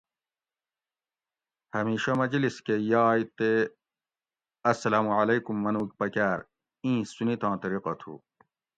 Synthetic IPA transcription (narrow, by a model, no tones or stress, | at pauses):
hɐmiːɕɐmɐd͡ʑliskejaːjt̪e | ɐsːɐlaːmuʕɐlɐjkumːɐnuːkpɐkaːɾ | ĩːsunit̪ãːt̪ɐɾiqɐt̪ʰṵː